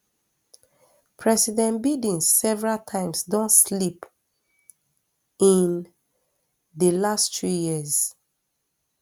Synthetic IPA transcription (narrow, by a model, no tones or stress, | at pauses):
pʰɹɛsidɛ̃nbidĩnsːɛvɹaltʰãɪ̃msdõnslip | ĩn | dəlasttɹijiz